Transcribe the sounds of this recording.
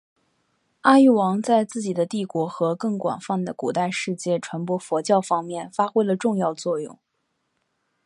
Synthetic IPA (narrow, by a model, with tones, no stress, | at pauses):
a˥y˥˩wɑ˧˥ŋt͡sa˥˧ɪt͡sɹ̩˥˩t͡ɕi˨˩d̪ə˦t̪i˥˩kwɔ˧˥xɤ˧˥kɤ˥˩ŋkwa̰˨˩nfɑ˥˩nd̪ə˩kṵ˨˩t̪a˥˧ɪʂɻ̩˥˧t͡ɕjɛ˥˩ʈ͡ʂʰwa˧˥npwɔ˥fɔ˧˥t͡ɕjɑ˥˩ʊfɑ˥ŋmjɛ˥˩nfa˥xwe˥ɪlə˨ʈ͡ʂʊ˥˧ŋjɑ˥˧ʊt͡swɔ˥˧jʊ̰˥˩ŋ